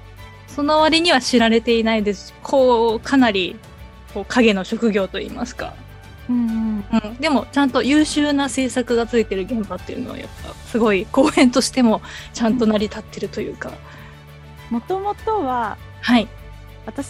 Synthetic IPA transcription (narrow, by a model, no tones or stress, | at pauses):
so̞no̞βaɾʲiɲ̟iβ̞aɕiɾaɾe̞t̪e̞inaid̪e̞sɨ̥ | kʰo̞ːkʰanaɾʲi | ko̞ːkʰaɡe̞no̞ɕo̞kɯ̟ɡʲo̞ːt̪o̞ḭːma̰sɨ̥ka̰ | ɯ̟̃ɴɯ̃ɯ̃ɴd̪e̞mo̞t͡ɕãnt̪o̞jɯːɕɨːnase̞ːsakɯ̟ɡat͡sɨit̪e̞ɾɯ̟ɡẽ̞mbat̪ːe̞iɯ̟noβa̰ja̰pːa̰sɨɡo̞iko̞ːẽ̞nt̪o̞ɕi̥t̪e̞mo̞t͡ɕãnt̪o̞naɾʲit̪at̪ːe̞ɾɯ̟t̪o̞jɯ̟̰ːka̰ | mo̞t̪omo̞t̪o̞βa | hai | βat̪a